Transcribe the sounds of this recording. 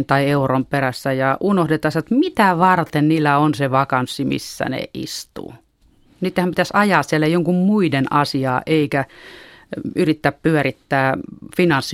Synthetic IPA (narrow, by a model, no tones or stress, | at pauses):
nt̪ɑieuromperæsːæjɑʔunohdet̪ɑːsæt̪mit̪æʋɑrt̪enniːlːæonseʋɑkɑnsːimḭsːæ̰nḛḭst̪ṵː | niːt̪ːehæmpit̪æsɑjɑːssiælːæjoŋkummuidenɑsiɑːʔeikæ | yrit̪ːæppyærit̪ːæːfinɑnsːi